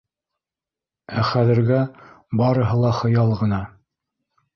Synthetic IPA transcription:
æχæðɘ̆ɾɡæ | bɑɾɤ̆ɦɤlˠɑχɤ̆jɑlˠʁɤ̆nɑ

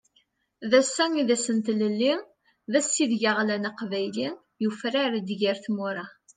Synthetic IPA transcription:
ðæsːæŋiðæsənt̪ləlːi | ðæsːiðʝaʁlænaqvæjli | jufɾaɾd̪ʝiɾθmʊɾˤɑ

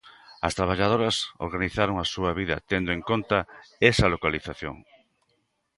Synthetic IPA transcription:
ɐst̪ɾaβ̞aʎað̞oɾɐso̰ɾɣaniθaɾoŋasuaβiðɐ̰t̪end̪oʊẽŋkont̪ɐesɐlokaliθaθjo̰ŋ

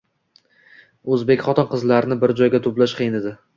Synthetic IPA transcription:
ɵzbekʲχɒt̪ʰɒnqʰɨzlaɾɪnɪbɪɾd͡ʒɒjɡʲat̪ʰʊplaʃqʰejned̪ɪ

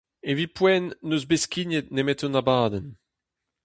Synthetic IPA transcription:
evipwɛnːøzbeskinet̪̚nemɛtonabaːdɛn

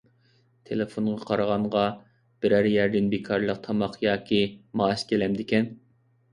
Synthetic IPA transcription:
t̪ʰelefoɴʁɑqʰɑɾɑʁɑɴʁɑ | b̥ɪɾæɾjæɾd̪ɪnbekʰɑɾlˠəq̚t̪ʰɑmɑqjɑːkʲʰimɑːʃkʲʰelɛmd̪ɪkʲʰɛn

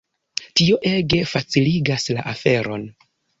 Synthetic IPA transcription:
tio̞ʔe̞ɡe̞fat͡siliɡasla̰ʔafe̞ɾo̞̰n

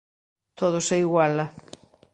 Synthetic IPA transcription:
t̪ʰoð̞ʊsɛiɣwalɐ

